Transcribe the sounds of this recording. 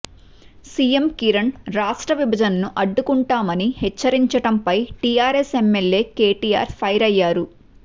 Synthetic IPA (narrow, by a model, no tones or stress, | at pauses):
siːjemkiɾɐɳɾaːʂʈɾɐʋibʱɐd͡ʒɐnɐnuʔɐɖːukuɳʈaːmɐnihɛt͡ʃːɐɾiɲt͡ʃɐʈɐmpɐjʈijaːɾesemːelje̞ːkeːʈiːja̰ːɾpʰɐjɾɐjːaːɾu